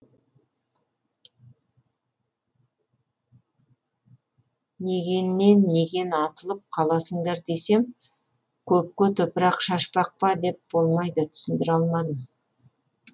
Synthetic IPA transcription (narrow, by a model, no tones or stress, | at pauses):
ne̞ɡʲe̞nːe̞nːe̞ɡʲe̞nɑt̪əlˠəp̚qʰɑlˠɑsəɴd̪ɑɾd̪e̞se̞m | kʲʰɵp̚kʲet̪ʰʊpəɾɑqʃɑʃpɑq̚pɑd̪e̞p̚b̥o̞lˠmɑjd̪ət̪ʰʏ̥sɪnd̪ɪɾɑlˠmɑd̪əm